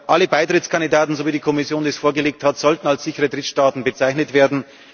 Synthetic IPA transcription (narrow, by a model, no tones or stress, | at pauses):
ʔaləbaɪtʁ̥ɪtskʰandidaːtn̩zoviːdikʰɔmɪsjoːndesfoːɐɡəleːk̚thatz̥ɔltn̩alsz̥ɪçəʁədʁɪtʃtaːtn̩bət͡saɪçnətv̥eːɐdn̩